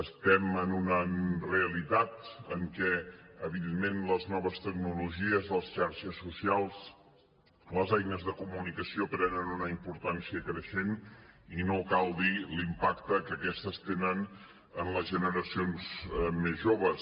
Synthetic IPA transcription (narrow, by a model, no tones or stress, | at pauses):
əst̪ɛmənunənreəlit̪at̪əŋkɛəβiðenmenləznɔβəst̪əɡ̚nuluʒiəzðəsʃaɾʃəsːusialˠs | ləzajnəzðəkumunikəsiopɾɛnənunəimpuɾt̪ansiəkɾəʃeninokalˠd̪ilimpakt̪əkəkɛst̪əst̪enən | ənləzʒənəɾəsionzmezʒoβəs